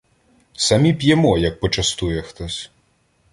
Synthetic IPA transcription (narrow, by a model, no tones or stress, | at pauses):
samʲipʲjɛmɔjɐk̚pɔt͡ʂɐst̪ujɛxt̪ɔsʲ